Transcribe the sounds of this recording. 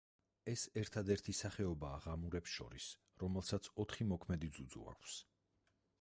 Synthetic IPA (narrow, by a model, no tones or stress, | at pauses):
ɛsɛɾt̪ʰad̪ɛɾt̪ʰisaχɛɔbaːʁamuɾɛpsʃɔ̰ɾis | ɾɔmɛlˠsat̪sʰɔt̪ʰχimɔkʰmɛd̪id̪zud̪zṵa̰kʷʰs